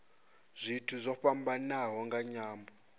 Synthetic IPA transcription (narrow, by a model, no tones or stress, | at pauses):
z̥ʷitʰuzʷɔɸambanaɦɔŋɡaɲaːmbɔ